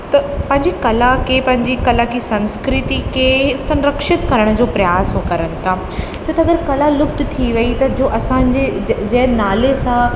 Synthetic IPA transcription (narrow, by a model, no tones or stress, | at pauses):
t̪ɐpɐ̃ɦɪ̃ɲd͡ʑikɐlakʰepɐ̃ɦɪ̃ɲd͡ʑikɐlakʰisɐ̃nskɾɪt̪ikʰeːsɐ̃nɾəkʃɪt̪kɐɾəɽ̃ʊ̆d͡ʑoːpɾɐjaːsɦokɐɾənɪ̆t̪ʰaː | sɐt̪ɐɡəɾkɐlalʊb̚t̪t̪ʰiʋɐit̪ɐd͡ʑoːʔɐsãɲd͡ʑed͡ʑɐ̃ɦɪ̃naːlesã